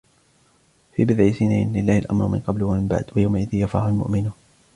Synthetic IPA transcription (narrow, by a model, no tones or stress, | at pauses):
fiːbɪd̪ʕisɪnanlɪlːaːhɪlʔa̰mɾʊmɪ̰nqɑblwamɪmba̰ʕd̪wajawmaʔɪðijafa̰ːhalmʊ̰ʔmɪnuːn